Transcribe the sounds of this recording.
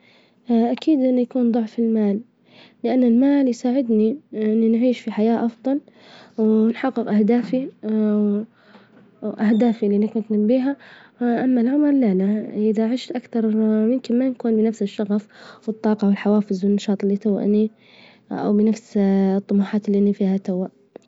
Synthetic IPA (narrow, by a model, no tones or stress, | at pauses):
ʔakʰiːd̪ʔɪnːujakuːnd̪ˤʊʕfɪlmaːlː | ɪʔanːɪlmaːljsaːʕɪd̪niʔʔɪnːinʕiːʃfiħajaːʔɑfd̪ˤɑl | wnħɑɡːɪqʔahd̪aːfi | ʔahd̪aːfilinakʊnt̪nabiːɦaʔamːalʕʊmɾˤlalaʔɪðaʕɪʃt̪ʔakθɑɾˤmɪmkɪnmankuːnbɪnafsɪʃːɑɣafwɨt̪ˤːɑːqɑwɪlħawaːfɪzwɪnːɑʃɑːt̪ˤɪlːit̪awa̰ʔni | ʔa̰wbɪnafst̪ˤːʊmaːħaːt̪ɪlːiʔanːifiːhat̪awaʔ